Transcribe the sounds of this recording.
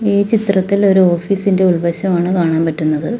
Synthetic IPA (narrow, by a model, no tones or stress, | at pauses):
iːt͡ɕit̪rɐt̪ːilo̞ɾuo̞ːfiːsinde̞uɭʋɐɕɐmaːɳɨkaːɳaːmpɐtːunːɐðɨ